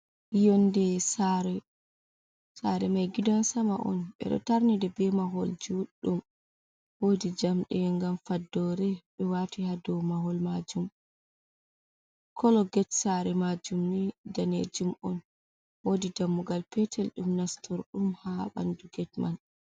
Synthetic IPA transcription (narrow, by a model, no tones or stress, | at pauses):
ijɔndɛsaɾɛ | saɾɛmajɡidansamaʔɔ̰nɓɛ̰ɗɔ̰taɾnidɛbɛmaɦɔld͡ʒuɗːum | wodid͡ʒamɗɛŋɡamfadːɔɾɛɓɛwatihadɔmaɦɔlmad͡ʒum | kʰɔlɔɡɛtsaɾɛmad͡ʒumnidanḛd͡ʒumʔɔn | wodidamːuɡalpɛtʰɛlɗumnastɔɾɗumhaɓa̰nduɡɛtman